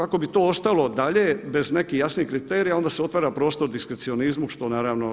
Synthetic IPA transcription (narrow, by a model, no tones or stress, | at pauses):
kako̞bit̪o̞ːost̪alˠo̞d̪aʎebe̞zne̞kijasniikɾit̪eːɾijao̞nd̪aːseo̞t̪ʋaːɾapɾo̞ːst̪o̞ɾd̪iskɾet̪sio̞nizmuʃt̪o̞naːɾaːʋno